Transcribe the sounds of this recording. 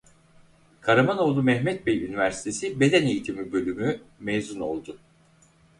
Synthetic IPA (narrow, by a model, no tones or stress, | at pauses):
kʰaɾamano̞lˠumɛhmɛt̪̚bɛjynivæɾsi̥t̪ʰe̞sibe̞d̪æne̞jit̪ʰimibø̞lʲymymɛjzuno̞̰lˠd̪ʊ